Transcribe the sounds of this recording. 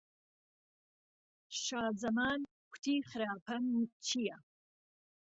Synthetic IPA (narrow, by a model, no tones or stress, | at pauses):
ʃaːzɐmaːn | kʷʰt̪ʰiːχɾaːpʰɐnt͡ʃʰijɐ